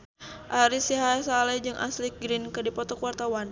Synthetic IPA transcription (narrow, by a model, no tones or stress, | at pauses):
ʔaɾisiɦajsalɛd͡ʒɨŋʔa̰slɪk̚ɡɾɪnkədipɔt̪ɔkuart̪awan